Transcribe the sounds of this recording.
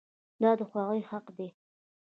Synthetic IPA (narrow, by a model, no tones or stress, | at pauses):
d̪ɑd̪əxwɑɣəjhaqd̪e